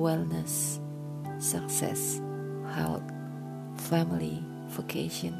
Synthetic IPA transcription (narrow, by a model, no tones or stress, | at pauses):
wɛlnəsː | əksɛ̰s | haʊt | fɛmili | vokʰeʃə̃n